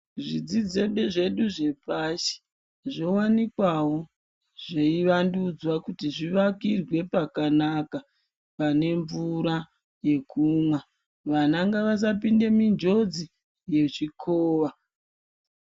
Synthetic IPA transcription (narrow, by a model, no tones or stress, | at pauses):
ʐid͡zid͡ze̞ɓe̞ʐe̞ɗuʐe̞paʃi̥ | ʐo̞wanikwawo̞ | ʐ̥eiʋandud͡zwakutiʐiʋakirwe̞pakanaka | pane̞ɱvuɾa | je̞kʰumwa | ʋanaŋɡaʋas̬apinde̞mind͡ʒo̞d͡zi | je̞t͡ʃikʰoːʋa